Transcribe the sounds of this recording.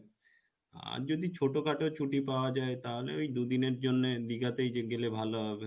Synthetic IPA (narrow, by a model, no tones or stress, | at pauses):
a̰ɾd͡ʑod̪it͡ɕʰoʈokʰaʈeot͡ɕʰuʈipaoad͡ʑaet̪aɦolḛojd̪ud̪ineɾd͡ʑonːed̪iɡat̪ejɡelebʱaloɦɔbe